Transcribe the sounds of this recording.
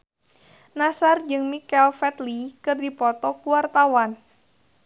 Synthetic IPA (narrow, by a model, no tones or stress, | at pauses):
nasard͡ʒɨŋmikɛlfɛt̪likɨrdipɔt̪ɔkuwart̪awan